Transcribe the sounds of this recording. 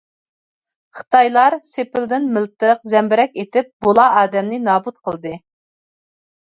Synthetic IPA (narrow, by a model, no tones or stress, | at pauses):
χə̥t̪ɑjlˠɑɾsepɪld̪ɪnmɪlt̪əqzɛmbɪɾɛkʲet̪ɪp̚bolˠɑɑːd̪ɛmnɪnɑːbut̪̚qʰəlˠd̪ɨ